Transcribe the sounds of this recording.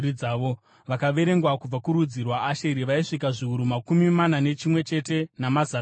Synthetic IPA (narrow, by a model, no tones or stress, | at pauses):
iaːʋo | ʋakaʋe̞ɾe̞ŋɡwakub͡vakuɾud͡zirwaːʃeiɾiʋaiʂikaʐiuɾumakumimanane̞t͡ʃimwe̞t͡ʃe̞te̞namaza